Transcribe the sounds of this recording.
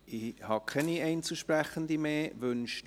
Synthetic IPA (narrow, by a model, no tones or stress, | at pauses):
ɪhɑːkʰɛniɛɪnt͡suʃprɛχənd̪imeːvønʃ